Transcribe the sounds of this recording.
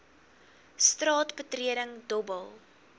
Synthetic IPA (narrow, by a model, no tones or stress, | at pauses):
strɑːtbətriədəŋdɔbəlˠ